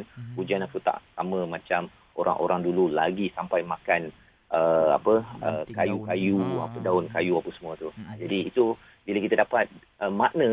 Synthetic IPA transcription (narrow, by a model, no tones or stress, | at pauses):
nhud͡ʒanakut̪a̰ʔsamə̃mãt͡ʃam | ʔo̰ɾʔa̰ŋʔo̰ɾaŋdululaɡisampajmakan | ʔəa̰pəəkajukajua̰pədaʊnkajuapəsəmũət̪uad͡ʒadiːt̪u | bilakit̪adapat̪̚ | ʔəmaʔnə̃